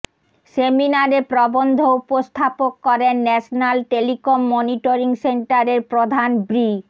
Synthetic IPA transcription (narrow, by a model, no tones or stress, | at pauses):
seminaɾepɾɔbond̪ʱoupost̪ʰapokːɔɾenːɛʃnalʈelikomːɔniʈoɾiŋseɳʈaɾeɾpɾod̪ʱanbɾi